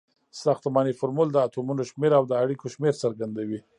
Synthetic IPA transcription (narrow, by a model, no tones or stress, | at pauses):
saxt̪mɑnifʊɾmuld̪əat̪umunoʃmeɾawd̪əaɽikoʃmeɾsəɾɡand̪awi